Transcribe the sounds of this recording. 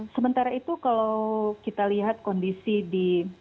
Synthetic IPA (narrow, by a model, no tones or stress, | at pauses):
səmənt̪aɾait̪ukalawkit̪aliɦat̪̚kɔndisidi